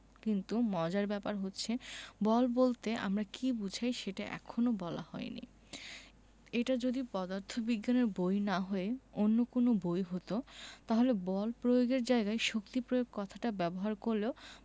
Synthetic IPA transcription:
kint̪umɔd͡ʑaɾbɛpaɾɦotːɕʰebɔlbolt̪eʔa̰mɾakibud͡ʑʱajʃeʈaʔɛ̰kʰonobɔla̰hɔ̰enḭ | eʈad͡ʑod̪ipɔd̪aɾt̪ʰobiɡːaneɾbojnaɦɔeonːokonobojɦot̪ot̪aɦolebɔlpɾojoɡeɾd͡ʑaeɡaeʃokt̪ipɾojoɡ̚kɔt̪ʰaʈabɛboɦaɾkoɾleo

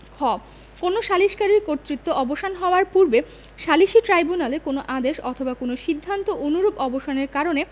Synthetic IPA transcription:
kʰɔb | konoʃaliʃkaɾiɾkoɾt̪ːɾit̪ːoɔboʃanɦɔoaɾpuɾbe | ʃaliʃiʈɾajbunalekonoʔad̪eʃɔt̪ʰobakonoʃid̪ʱːant̪oʔonuɾobɔboʃaneɾkaɾone

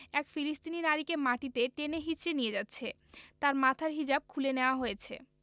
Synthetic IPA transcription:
ɛkfilist̪ininaɾikemaʈit̪eʈeneɦit͡ɕʃenijed͡ʑatːɕʰe | t̪aɾmat̪ʰaɾɦid͡ʑab̚kʰuleneoaɦojet͡ɕʰḛ

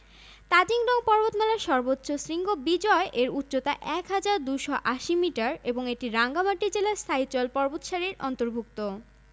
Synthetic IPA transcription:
t̪ad͡ʑiŋɖɔŋpɔɾbot̪mɛlaɾʃɔɾbotːɕosɾiŋɡobid͡ʑɔeʔeɾutːɕot̪aʔɛkɦad͡ʑaɾd̪uʃɔʔaʃimiʈaɾeboŋeʈiɾaŋɡamaʈid͡ʑelast̪ʰait͡ɕɔlpɔɾbot̪ʃaɾiɾɔ̰nt̪oɾbʱuk̚t̪o

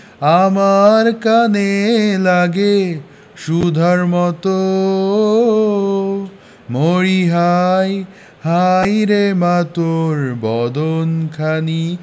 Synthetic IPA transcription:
amaɾkanelaɡe | ʃud̪ʱaɾmɔt̪o | moɽiɦaj | hajɾemat̪oɾbɔd̪onkʰani

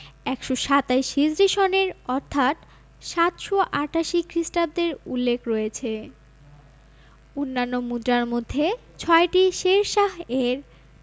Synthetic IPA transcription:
ɛkʃoʃat̪aiʃid͡ʑɾiʃoneɾɔɾt̪ʰat̪ | ʃat̪ʃoʔaʈaʃikɾisʈab̚d̪eɾṵlːekɾɔet͡ɕʰe | onːanːomud̪ɾaɾmod̪ʱːe | t͡ɕʰɔeʈiʃeɾʃaɦeɾ

